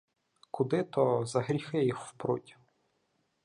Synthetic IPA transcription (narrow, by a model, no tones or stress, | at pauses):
kʊd̪ɪt̪ɔzɐɦɾʲixɪjixwpɾʊ̰tʲi̥